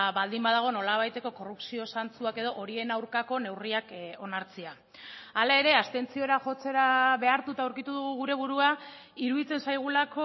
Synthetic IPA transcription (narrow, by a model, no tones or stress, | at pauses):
βald̪imbað̞aɣ̞o̞no̞laβ̞ajt̪e̞ko̞ko̞rupsio̞sant͡suake̞ð̞o̞ʔo̞ɾie̞nawɾkako̞ne̞wriako̞naɾt͡sia | alae̞ɾe̞ast̪e̞nt͡sio̞ɾaʝo̞t͡se̞ɾaβe̞aɾt̪ut̪awɾkit̪uð̞uɣuɣ̞uɾe̞βuɾua | iɾuðit͡sensajɣ̞ulako